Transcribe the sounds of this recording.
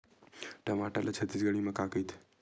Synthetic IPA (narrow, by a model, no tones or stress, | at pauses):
ʈəmaʈalat͡ʃʰət̪isɡəɭimãkakəjt̪ʰ